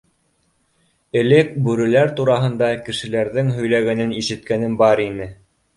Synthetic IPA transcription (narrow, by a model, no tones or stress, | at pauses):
ɘ̆lɘk̚bʉɾɘ̆læɾt̪uɾɑɦɤ̆nd̪ɑkɘ̆ʃɘ̆læɾðɘŋɦɵ̆jlæɣænɘniʃɘ̆t̪̚kænɘmbɑɾinɘ